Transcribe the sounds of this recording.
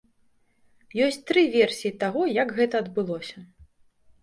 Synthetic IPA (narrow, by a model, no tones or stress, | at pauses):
jɔsʲt͡sʲt̪ɾɨvʲɛrsʲijit̪aɣɔjɐkɣɛt̪ɐːd̪bɨlˠɔsʲɐ